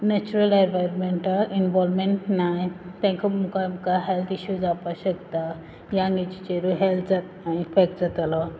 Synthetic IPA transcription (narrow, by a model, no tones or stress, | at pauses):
nɛt͡ɕuɾəleɾʋajɾɔnmeɳʈaʔinʋɔlmeɳʈnajt̪ɛ̃kʰamukamkaɦɛlt̪iɕuːd͡zapaɕəkt̪a | jãŋɡit͡ɕi̥t͡ɕeɾuɦɛlt̪ʰd͡zat̪naifɛk̚ʈd͡zat̪alɔ